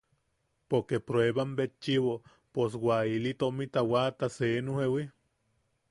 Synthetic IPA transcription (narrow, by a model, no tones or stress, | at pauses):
poɾkepɾoeβambet͡ʃːiwo | pos̬wailit̪oʔmit̪awat̪asenuhewi